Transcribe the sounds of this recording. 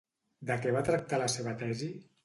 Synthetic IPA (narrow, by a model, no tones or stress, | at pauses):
d̪əkɛβ̞at̪ɾak̚t̪aləseβət̪ɛzi